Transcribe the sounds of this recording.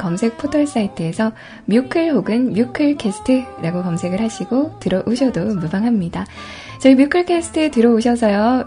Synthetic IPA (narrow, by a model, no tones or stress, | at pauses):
kʌmsʰe̞k̚pʰotʰʌɭs͈aitʰɯesʰʌ | mjukʰɯɭɦoɡɯnmjukʰɯɭkʰe̞sʰɯ̥tʰɯɾaɡokʌmsʰe̞ɡɯɭhaɕʰiɡotɯɾʌʔuɕʰʌdomubaŋɦamɲida | t͡ɕʌimjukʰɯɭkʰe̞sʰɯ̥tʰɯtɯɾʌuɕʰʌsʰʌjo